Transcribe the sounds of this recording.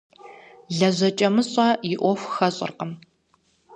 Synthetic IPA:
ɮɐʑɐt͡ʃʼɐmɨɕʼɐjɪʔʷɔxʷxɐɕʼɪ̰rqəm

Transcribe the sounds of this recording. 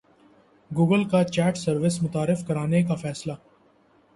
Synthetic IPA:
ɡuːɡəlkat͡ʃɛːʈsɐɾʋɪsmʊt̪aːɾɪfkɐɾaːnekafɛːslaː

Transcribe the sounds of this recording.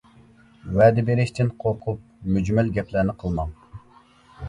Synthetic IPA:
wɛːd̪ɪbeɾɪʃt̪ʰɪnqʰoɾqʰʊp̚myd͡ʒmɛlɡʲɛpʰlæɾnɪqʰəlˠmɑŋ

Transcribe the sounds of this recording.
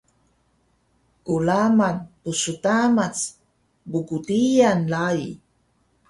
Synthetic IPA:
kulamanpusutamat͡s | buɡutijanlai

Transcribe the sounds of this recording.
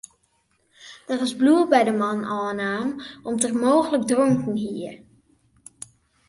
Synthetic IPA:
d̥ərɪzbluəbɛjdəmɑnɑːənaːmɔmtərmowχələɡdrɔŋkənɦiəɹ

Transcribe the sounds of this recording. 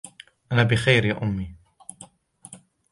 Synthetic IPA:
ʔanaːbɪxajɾjaːʔʊmːiː

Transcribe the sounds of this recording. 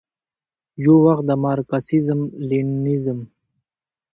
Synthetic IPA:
jowaxt̪̚d̪əmɑːɾkasizmlinizəm

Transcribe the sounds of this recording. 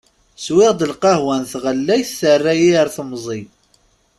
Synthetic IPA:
swɪʁd̪əlqɑhwænθʁəlːæjθːərːæjiəɾθmzˤi

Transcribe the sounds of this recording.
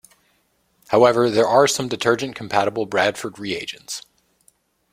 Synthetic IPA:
haʊɛvə˞ðə˞ʔɑɹsʌ̃mdɨtʰɜ˞d͡ʒɨ̃nkʰm̩pʰæɾəbl̩ˠbɹæd̥fə˞d̚ɹieɪd͡ʒɨ̃n̩ts

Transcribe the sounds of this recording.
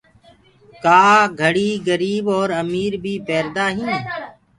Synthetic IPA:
kaːɡʱəɽiːɡəɾiːbɔːɾəmiːɾbʱiːpɛːɾd̪aːɦĩː

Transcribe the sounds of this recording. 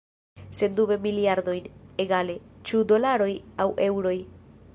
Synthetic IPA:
se̞ndube̞miliaɾd̪o̞jneɡale̞t͡ʃudo̞laɾo̞jawʔe̞wɾo̞j

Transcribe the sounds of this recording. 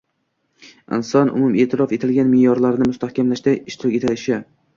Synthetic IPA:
ɪ̰nsɒnʔʊ̰mʊme̞ːt̪ʰɪɾɒfet̪ʰɪlɡʲanmɪjɒɾlaɾɪnɪmʊst̪ʰahkʲʰamlaʃd̪aɪʃt̪ʰɪɾɪkʲet̪ʰɪlɪʃɪ

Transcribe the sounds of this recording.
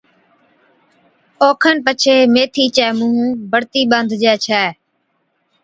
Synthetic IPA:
oːkʰənpət͡ʃʰeːmeːt̪ʰiːt͡ʃɛːmũːɦũːbəɽt̪iːɓənd̪ʱd͡ʒɛːt͡ʃʰɛː

